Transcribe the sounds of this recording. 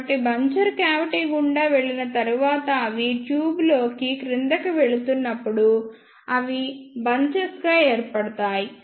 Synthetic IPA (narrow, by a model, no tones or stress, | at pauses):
ʈibɐɲt͡ʃɐɾkaːʋiʈiːɡuɳɖaːʋe̞ɭːinɐt̪ɐɾuʋaːt̪ɐːʋiʈjuːblo̞ːkikɾind̪ɐkɐʋe̞ɭut̪unːɐpːuɽu | ɐʋibɐɲt͡ʃɐsɡaːeːɾpɐɽɐt̪aːji